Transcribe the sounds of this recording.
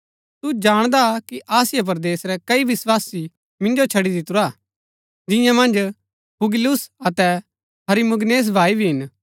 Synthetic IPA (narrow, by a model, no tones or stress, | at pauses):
t̪ud͡ʒaːɽ̃d̪akiʔaːsɪjap̬ɐɾd̪eːsɾɛkɐiʋɪswaːsi | mɪ̃nd͡ʒot͡ʃʰɐɽid̪ɪt̪ʊɾaː | d͡ʒɪ̃jãmɐ̃nd͡ʒ | pʊɡɪlʊsɐt̪ɛ | ɦɐɾimʊɡneːs̬bʱaːibʱiɦɪn